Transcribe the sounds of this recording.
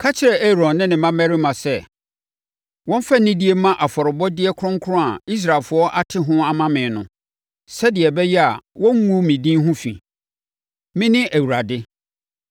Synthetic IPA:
kʰa˦t͡ɕʰɪ˦ɾɛ˨ʔe˦ɾɔ̃˨nːɪ̃˦nɪ̃˨mã˦mæ˦ɾɪ˦mã˨sɛ˦ | wɔ̃˦m˦fa˦nɪ̃˦di˦e˦mã˦ʔa˨fɔ˨ɾɪ˨bɔ˦dɪ˦ɛ˦kʰɾʊ̃˦ŋkʰʊ˦ɾɔ̃˦a˨i˦s̬ɾa˨lfʊ˨˦ɔ˦ʔa˦tʰɪ˦ɦʊ̃˦a˨mã˦mɪ̃˨nʊ̃˨ | sɛ˦dɪ˨ɛ˨bɛ˦jɛ˦a˨wɔ̃˦ŋ˦ŋũ˦mĩ˨dĩ˦ɦʊ̃˦fḭ̃˨ | mɪ̃˦nɪ̃˦ʔæ˨wu˨ɾa˨dɪ˦

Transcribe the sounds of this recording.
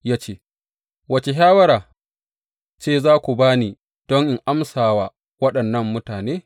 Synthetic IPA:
jaː˦t͡ʃeː˦ | wɐ˦t͡ʃe˨ɦaː˦wɐ˦ɾaː˨ | t͡ʃeː˦˨zaː˦kʷu˨baː˦niː˨ | d̥ɔ˦ŋʔɪ˨ŋʔa˦msaː˨waː˦ | wɐ˦ɗɐ˨nːɐ˦mːʊ˦taː˨neː˦

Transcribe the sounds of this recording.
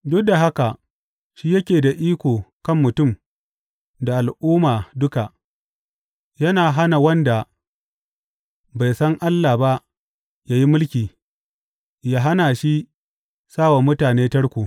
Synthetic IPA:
dʊ˦k̚da˨ɦa˦ka˨ʔ | ʃiː˦jɐ˦kʲeː˨da˨ʔiː˦kʷoː˨kɐ˦˨mːʊ˨tʊ˦˨m | da˨ʔa˨lʔuː˦maː˨dʊ˦ka˨ʔ | jɐ˦naː˨ɦa˦na˨wɐ˦nda˨ | ba˨jsɐ˦ŋʔa˦lːa˨ba˦ʔ | jaː˦ji˦mʊ˦lkʲiː˨ | jaː˦ɦa˦naː˨ʃi˦ | saː˦˨wa˨mʊ˦taː˨neː˦tɐ˦ɽkʷoː˨

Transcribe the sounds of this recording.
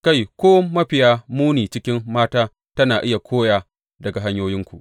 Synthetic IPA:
ka˦˨jkʷoː˦mɐ˦ɸɪ˨jaː˦muː˦niː˨t͡ʃɪ˦kʲɪ˦mːaː˦taː˦ | tɐ˦naː˨ʔɪ˦ja˨kʷʰoː˦jaː˨ | dɐ˨ɡa˨ɦa˦ɲjoː˦jɪ˦ŋkʷu˨ʔ

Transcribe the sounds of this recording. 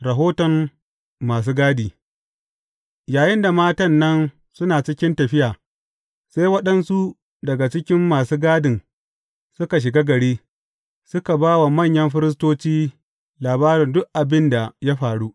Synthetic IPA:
ɾɐ˨ɦoː˦tɔ˨mː | aː˨s̬uː˦ɡaː˦diː˨ | jaː˨jɪ˦nda˨maː˦tɐ˦nːɐ˦n | sʊ˦naː˨t͡ʃɪ˦kʲɪ˦ntɐ˨ɸɪ˦jaː˨ | seː˦jwɐ˦ɗɐ˦nsu˦ | dɐ˨ɡa˨t͡ʃɪ˦kʲɪ˦mːaː˨suː˦ɡaː˦dɪ˨n | sʊ˦ka˨ʃ̬ɪ˨ɡaː˦ɡɐ˨ɽiː˦ | sʊ˦ka˨baː˦wa˨mɐ˦˨ɲjɐ˦mɸɪ˦ɾɪ˦s̬toː˦t͡ʃiː˦ | laː˨baː˦ɾɪ˨ndʊ˦ʔʔa˨bɪ˦nda˨ja˦ɸaː˨ɽu˦ʔ

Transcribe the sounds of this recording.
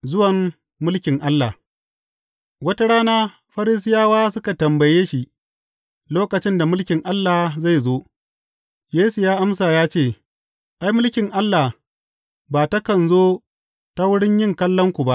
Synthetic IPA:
zʊ˦wɐ˨mː | ʊ˦lkʲɪ˨ŋʔa˦lːaː˨ | wɐ˦ta˦ɽaː˦naː˦ | ɸɐ˦ɾɪ˦s̬ɪ˦jaː˦waː˦sʊ˦ka˨tɐ˨mbɐ˨jeː˦ʃi˦ | loː˦kɐ˨t͡ʃɪ˦nda˨mʊ˦lkʲɪ˨ŋʔa˦lːaː˨za˦˨jzoː˦ | jeː˦su˨jaː˦ʔa˦msaː˨jaː˦t͡ʃeː˦˨ | ʔa˦jmʊ˦lkʲɪ˨ŋʔa˦lːa˨ | baː˨ta˦kɐ˨nzoː˦ | ta˦wʊ˦ɽɪ˦ɲjɪ˦˨ŋkɐ˦lːɐ˦ŋkʷu˨ba˦ʔ

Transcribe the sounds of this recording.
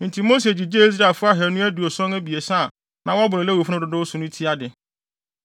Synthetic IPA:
n̩˨tʰi˨mo˦s̬e˨d͡ʑi˨d͡ʑe˦i˦s̬ɾa˨lfʊ˦a˦ɦɛ˨ɾnũ˦æ˦du˨o˨sɔ̃˦ŋæ˦bi˨e˨sã˦˨ | nã˨˦wɔ˦a˦bʊ˨ɾɛ˨lɛ˦wo˨fʊ˦ʊ̃˦dʊ˨dʊ˦sʊ̃˨nʊ̃˦tʰi˦a˦dɪ˨

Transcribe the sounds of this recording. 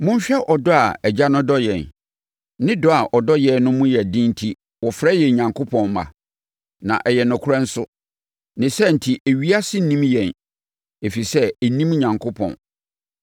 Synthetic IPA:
mʊ̃˦m˦ɕᶣɛ˦ʔɔ˨dɔ˦a˨ɛ˨d͡ʑa˦nʊ̃˦dɔ˦jɛ̃˨n | nɪ̃˦dɔ˦a˨ʔɔ˨dɔ˦jɛ˦nʊ̃˦mʊ̃˦jɛ˨dɪ̃˦n˦tʰi˦ | wɔ˨fɾɛ˦jɛ˨ɲã˨ŋkʰo˦pʰɔ̃˨nmã̰˨ | nã̰˨ʔɛ˨jɛ˨nʊ̃˨kʰʊ˦ɾã˦n̩˦sʊ˦ | nɪ̃˨sɛ˦n̩˨tʰi˨ʔæ˨ɥi˦a˦sɪ˦nĩ˦mjɛ̃˨n | e˨fi˨sɛ˦˨nĩ˦m˦ɲã˨ŋkʰo˦pʰɔ̰̃˨n

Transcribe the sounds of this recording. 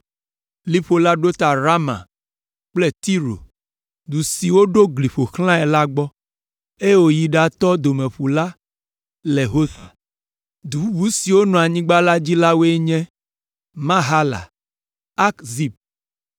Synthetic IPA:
li˦ɸo˨la˦ɖo˦t̪a˨ɾa˦mã̰˨ | k͡plɛ˦t̪i˦ɾo̰˨ | d̪u˨si˨wo˦ɖo˦ɡli˨ɸo˨xl̃ã˦ɛ˨la˦ɡ͡bɔ˦ | e˦je˦wo˦ji˨ɖa˨t̪ɔ˦d̪o˨mẽ˨ɸu˨la˦ | le˨ɦo˦θa˨ | d̪u˨u˦bu˦si˨wo˦nɔ̃˨a˨ɲĩ˦ɡ͡ba˦la˦d͡ʑi˦la˦wo˦e˦ɲɛ̃˦ | mã˦ɦa˦la̰˨ | a˦kzi˦b̚

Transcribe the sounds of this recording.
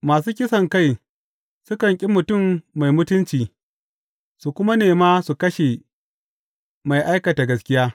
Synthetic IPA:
maː˨s̬uː˦kʲɪ˦sɐ˨ŋka˦˨j | sʊ˦kɐ˨ŋkʲʼɪ˦mʊ˨tʊ˦˨mːa˨jmʊ˦tʊ˦nt͡ʃiː˨ | su˨kʷʊ˦ma˦neː˨maː˦su˨kɐ˦ʃe˨ | ma˨jʔa˦jkɐ˨ta˨ɡɐ˨skʲɪ˦jaː˦

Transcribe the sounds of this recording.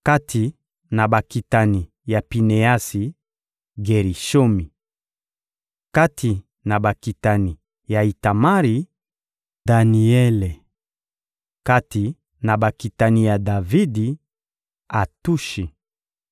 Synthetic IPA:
ka˦tʰi˨ | na˨ba˨ki˨ta˦ni˨ | ja˨pi˨ne˨a˦si˨ | ɡe˨ʁi˨ʃo˦mi˨ | ka˦tʰi˨ | na˨ba˨ki˨ta˨ni˨ | ja˨i˨ta˨ma˦ʁi˨ | da˨ni˨ɛ˦le˨ | ka˦ti˨ | na˨ba˨ki˨ta˨ni˨ja˨da˨vi˦di˨ | a˨tu˦ʃi˨

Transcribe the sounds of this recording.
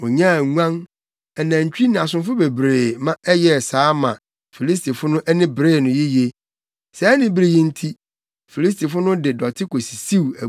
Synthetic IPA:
o˨ɲã˦˨ŋu˦ã˦n | ɛ˨nã˨ɲ̩˨t͡ɕᶣi˦nɪ̃˨a˨s̬ʊ̃˨nfʊ˦be˨bɾeː˨mã˦ɛ˦jɛ˦˨saː˨˦mã˨ | fi˨li˦s̬tʰi˨fʊ˦nʊ̃˦ʔɛ˦nɪ̃˦bɾeː˦˨nʊ̃˨ji˦je˦ | sɛ˨ɛ˦nɪ̃˦bi˦ɾe˦jĩ˦n̩˦tʰi˦ | fi˨li˦s̬ti˨fʊ˦nʊ̃˦dɪ˨dɔ˨tʰɪ˦kʰo˨si̥˨si˦˨æ˨

